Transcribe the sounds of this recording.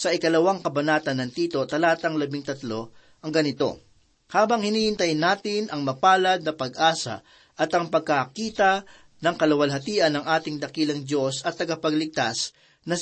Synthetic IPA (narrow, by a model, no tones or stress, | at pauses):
sɐʔɪkɐlɐwaŋkɐbɐnaːt̪ɐnːɐŋt̪iːt̪o̞t̪ɐlaːt̪ɐŋlɐbɪŋt̪ɐt̪lo̞ | ʔɐŋɡɐnɪt̪o̞̰ | haːbɐŋhɪniːhɪnt̪ɐjɪnːaːt̪ɪnʔɐŋmɐpaːlɐd̪̚nɐpɐɡʔaːsɐ̰ | ʔɐt̪ɐŋpɐɡ̚kɐkiːt̪ɐ | nɐŋkɐlɐwɐlɦɐt̪iːʔɐnːɐŋʔaːt̪ɪŋd̪ɐkiːlɐŋd̪jo̞sɐt̪ːɐɡapɐɡlɪɡ̚t̪as | nɐ